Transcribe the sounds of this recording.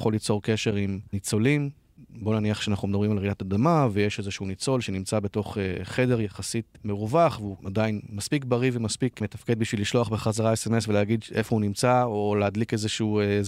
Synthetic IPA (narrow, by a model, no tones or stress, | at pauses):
χo̞lːit͡so̞ʁke̞ʃe̞ʁimnit͡so̞lim | bo̞naniaχʃeanaχnumed̪abʁimalʁidatadamavejeʃe̞zeʃunit͡so̞lʃe̞nimt͡sabe̞to̞χχe̞de̞ʁjaχasit̚me̞ʁuvaχveuadainmaspikbaʁivemaspikme̞tafke̞d̪̚biʃviliʃlo̞aχbeχazaʁaeseme̞sveleaɡid̪efohunimt͡saoleadlike̞zeʃuu